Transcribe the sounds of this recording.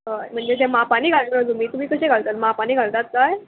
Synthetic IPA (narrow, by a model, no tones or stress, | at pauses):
ɦam̤əɳd͡zet̪ẽmapaɽ̃iːɡʱalad͡zumiːt̪um̤iːkəɕeɡʱaɭt̪at̪mapañiːɡʱaɭt̪at̪̚kaj